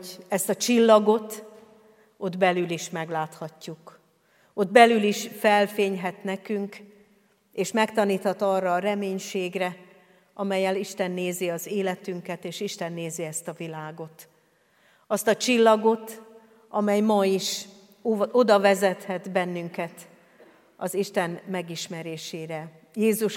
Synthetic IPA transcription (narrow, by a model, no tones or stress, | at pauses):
ɛst̪ɒt͡ʃilːɒɡo̞t̪ | o̞d̪bɛlyliʃmɛɡlaːt̪hɒcːuk | o̞d̪̚bɛlyliʃfɛlfeːɲɦɛt̪nɛkyŋk | eːʃmɛkt̪ɒniːt̪hɒt̪ɒrːɒːɾɛmeːɲʃeːɡrɛ | ʔɒmɛjːɛliʃt̪ɛnːeːziɒzeːlɛt̪yŋkɛt̪eːʃiʃt̪ɛnːeːziɛst̪ɒvilaːɡo̞t̪ | ɒst̪ɒt͡ʃilːɒɡo̞t̪ | ɒmɛjmɒiʃ | o̞d̪ɒvɛzɛt̪hɛt̪bɛnːyŋkɛt̪ | ɒziʃt̪ɛnmɛɡiʃmɛɾeːʃeːɾɛ | jeːzuʃ